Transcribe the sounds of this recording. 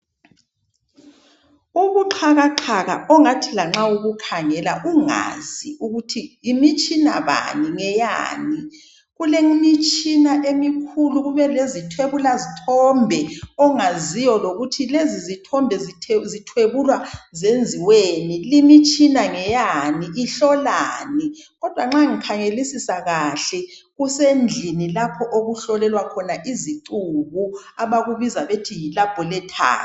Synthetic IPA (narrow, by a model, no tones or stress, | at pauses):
uɣuǃʰaɣaǃʰaɣa̰ɔŋatʰilaŋ͡ǁauɣukʰaŋɛlaʔuŋa̰ziuɣutʰiːmit͡ʃʼinaβa̰niŋɛja̰ːni | ɣuleŋmit͡ʃʼinaʔemikʰuluɣuβɛlezitʰweβulazitʰɔmbʱɛɔŋazijɔloɣutʰilezizitʰɔmbʱɛzitʰzitʰweβulwazend͡zʱiwenilimit͡ʃʼinaŋɛjaniiɬɔlaniɣɔd̥ʱwaŋ͡ǁaŋikʰaŋelisisaɣaɬɛ | ɣusend͡ɮʱinilapʰɔʔoɣuɬɔlɛlwakʰɔnaʔizitʼuɣu | aβaɣuβizaβetʰijilab̥ʱɔlɛtʰa̰ː